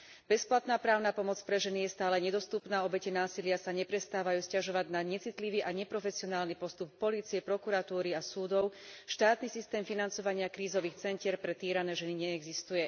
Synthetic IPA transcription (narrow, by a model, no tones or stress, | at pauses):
b̥ɛsplat̪naːpɾaːʊnapɔmɔt͡spɾɛʒɛnijɛst̪aːlɛɲɛd̪ɔst̪upnaːɔbɛcɛnaːsilɪasaɲɛpɾɛst̪aːʋajuːscaʒɔʋaɟnaɲɛt͡sit̪liʋiːʔaɲɛpɾɔfɛsiɔnaːlnipɔst̪upːɔliːt͡siɛpɾɔkuɾat̪uːɾiasuːd̪ɔʊʃt̪aːt̪nisist̪ɛːmfinant͡sɔʋaɲɪakɾiːzɔʋiːxt͡sɛncɪɛɾpɾɛt̪iːɾanɛʒɛniɲɛːɡzist̪ujɛ